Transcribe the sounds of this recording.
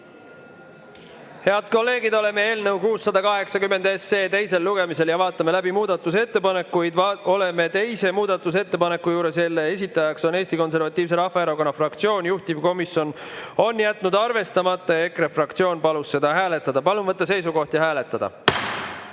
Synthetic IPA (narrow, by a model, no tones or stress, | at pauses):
he̞ɑd̪̥ko̞lːe̞ːɡid̪o̞le̞me̞e̞ːlnəwkuːsːɑd̪ɑkɑɦe̞ksɑkymːe̞nd̪esːe̞ːt̪e̞jse̞lːuɡ̥e̞mise̞ljɑvɑːt̪ːˑɑme̞læbimuːd̪̥ɑt̪ːˑus̬e̞t̪ːe̞pɑne̞kːujd̪o̞le̞me̞t̪e̞jse̞muːd̪̥ɑt̪ːˑus̬e̞t̪ːe̞pɑne̞kːujuːɾe̞se̞lːeesit̪ːˑɑjɑkso̞ne̞ːsʲt̪iko̞ns̬e̞ɾvɑt̪ˑːiːvs̬e̞ɾɑhfɑeɾoko̞nːɑfrɑkt̪sio̞ːnʲjuht̪ivko̞misjo̞no̞njæt̪ˑːnud̪ɑrve̞st̪ɑmɑt̪ːˑɑe̞krefrɑkt̪sio̞ːnpɑlusːe̞d̪ɑɦæːle̞t̪ːˑɑd̪̥ɑpɑlunvɤt̪ːˑɑs̬e̞jsuko̞ht̪jɑɦæːle̞t̪ːˑɑd̪̥ɑ̰